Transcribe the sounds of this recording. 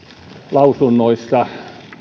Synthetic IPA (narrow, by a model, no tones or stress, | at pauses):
lɑusunːoist̪ɑ